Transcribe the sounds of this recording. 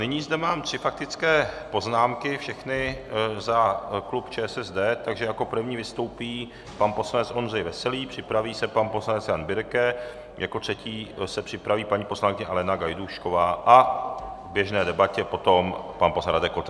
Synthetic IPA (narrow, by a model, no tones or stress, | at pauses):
nɪɲiːzdɛmaːmt̪r̥ɪfak̚t̪ɪt͡skɛːpo̞znaːmkɪfʃɛxnɪzaklupt͡ʃɛːsɛzdɛːt̪aɡʒɛjako̞pr̩vɲiːvɪst̪o̞wpiː | panposlanɛt͡sʔonrɛjvɛsɛliːpr̝̥ɪpɾaviːsɛpanpo̞slanɛt͡sjanbɪɾkɛ | jako̞t̪r̥ɛciːsɛpr̝̥ɪpɾaviːpaɲiːpo̞slaŋkɪɲɛalɛnaɡajduʃko̞vaːʔavbjɛʒnɛːdɛbacɛpo̞t̪o̞mpanposaɾadɛkot̪